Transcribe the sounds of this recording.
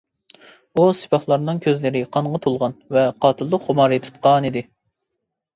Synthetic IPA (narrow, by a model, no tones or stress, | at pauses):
usɪ̥pʰɑχlˠɑɾnɨŋkʲʰøzlɪɾɪqʰɑɴʁɑt̪ʰolˠʁɑnvɛqʰɑːt̪ʰɨlˠːəqχomɑɾɨt̪ʰu̥t̪̚qɑnid̪ɪ